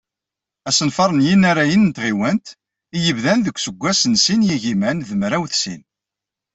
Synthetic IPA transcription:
æsənfɑɾˤənjinæɾæjinnt̪ʁiwənt̪ | ijəvðænðəkʷːsəɡʷːæsənsinjiʝimænðəmɾæwθsḭn

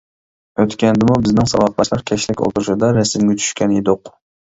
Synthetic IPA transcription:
øt̪kʲɛnd̪ɪmubɪznɪŋsɑ̰wɑplˠɑʃlˠəqkʲʰɛʃlɪkʲo̰t̪ʰuɾʃɪd̪ɑɾɛsɪmɡʲɛt͡ʃʰy̥ʃkʲɛned̪ʊq

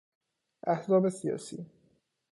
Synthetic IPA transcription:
ʔæhzɒːbesijɒ̰ːsḭː

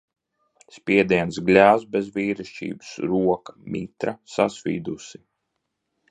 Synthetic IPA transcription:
spʲiɛd̪iɛnsɡlʲaːzbezviːɾiʃt͡ʃḭːbɨsɾuɔkḁmʲit̪ɾasasvʲḭːd̪usi

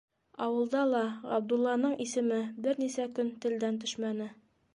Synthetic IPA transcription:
ɒwɤ̆lˠd̪ɑlˠɑɑ̰b̚d̪ulˠːɑnɤɴʔisɘ̆mɘbɘɾnisækɵnt̪ɘ̆ld̪ænt̪̬ɵʃmænɘ

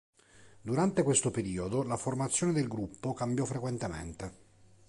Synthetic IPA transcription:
d̪uɾant̪ekwest̪opeɾiːod̪olaformat̪sːjoːned̪elɡɾupːokambjɔfɾekwent̪emḛnt̪e

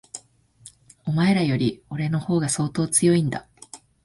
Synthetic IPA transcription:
o̞mae̞ɾajo̞ɾʲio̞ɾe̞no̞ho̞ːɡaso̞ːt̪o̞ːt͡sɨjo̞ĩnd̪a

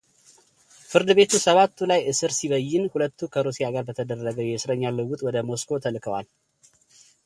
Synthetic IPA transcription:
fɨɾd̪ɨbe̞t̪ʰusəβat̪ʰːulajʔɨsɨɾsiβəjːɪnhulət̪ʰːukʰəɾusijaɡaɾbət̪ʰəd̪ərːəɡəwjɛsɨɾəɲːalːɨwʊt̪ʼwɔd̪əmo̞skʰo̞t̪ʰəlkʰəwal

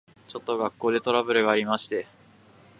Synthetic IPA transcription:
t͡ɕo̞t̪ːo̞ɡakːo̞ːd̪e̞t̪o̞ɾabɯ̟ɾɯ̟ɡaːɾʲimaɕi̥t̪e̞

